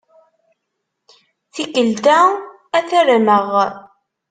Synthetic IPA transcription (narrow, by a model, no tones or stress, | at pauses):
θikəlt̪æ | æθæɾnəʁ